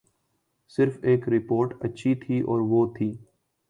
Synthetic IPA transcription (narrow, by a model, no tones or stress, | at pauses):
sɪɾfeːkɾɪpoːɾʈɐtːʃʰit̪ʰiʔɔːɾʋoːt̪ʰiː